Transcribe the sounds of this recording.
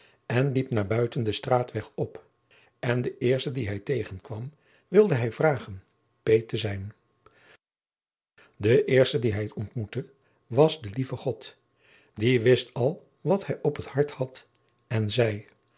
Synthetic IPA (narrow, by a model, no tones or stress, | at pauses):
ɛnlipnaːɹbœɥtəndəstraːtʋɛχɔp | ɛndəʔɪːɹstədiɦɛjtejχənkʋɑm | ʋɪlˠdəɦɛjvraːχən | pejtəzɛjn | dəʔɪːɹstədiɦɛjtɔntmutə | ʋɑzdəlivəχɔt | diʋɪstɑlˠ | ʋɑthɛjʔɔpəthɑɹthɑt | ɛnzɛj